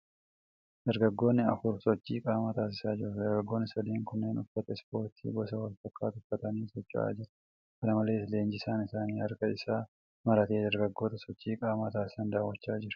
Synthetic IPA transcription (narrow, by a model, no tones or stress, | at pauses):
d̪̥ɐɾɡɐɡːo̞ːnːɪɐ̰fʊɾsɔt͡ʃːiːkʼaːmaːt̪aːsɪsaːd͡ʒɪɾʊd̪ɐɾɡɐɡːo̞ːnːɪsɐd̪iːŋkʊnːeːnʊfːɐt̪ɐɪspo̞ːɾt̪ʰḭːbɔsɐwɐlfɐkːaːt̪ʊfːɐt̪ɐniːsɔt͡ʃːʊ̰ʔa̰ːd͡ʒɪɾɐ̥ | kɐnɐmɐleːsle̞ːnd͡ʒɪsaːnɪsaːniːhɐɾkɐɪsaː | mɐɾɐt̪e̞ːd̪ɐɾɡɐɡːo̞ːt̪ɐsɔt͡ʃːiːkʼaːmat̪aːsɪ̥sɐnd̪aːwɐt͡ʃːaːd͡ʒɪɾɐ̥